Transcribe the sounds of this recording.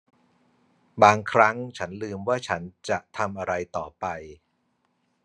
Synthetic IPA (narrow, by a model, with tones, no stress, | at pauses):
baː˧ŋkʰɾa˦˥ŋt͡ɕʰa˦˥nlɯː˧mwaː˥˩t͡ɕʰa˦˥nt͡ɕa˨˩ʔt̪ʰa˧mʔa˧ɾa˧jt̪ɔː˨˩pa˧j